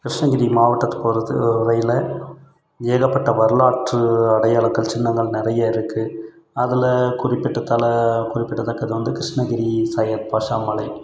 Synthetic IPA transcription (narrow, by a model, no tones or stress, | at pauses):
kɪɾɪʂɳɐɡɪɾimaːʋɐʈːɐt̪ːɯ̥poɾɐðɯɾɐjɪlɐ | eːɣɐpːɐʈːɐʋɐɾɯɭaːʈrɯɐɽɐjaːɭɐkːɐlt͡ʃɪnːɐŋɡɐɭnɪɾɐjaɪɾɯkːɯ | ɐðɪlɐkʊrɪpːɪʈːɐt̪ːɐːlɐkʊrɪpːɪʈːɐt̪ːɐkːɐðɯʋɐnd̪ɯkɪɾɪʂɳɐɡɪɾisɐjɐt̪̚paːʂaːmɐlɐɪ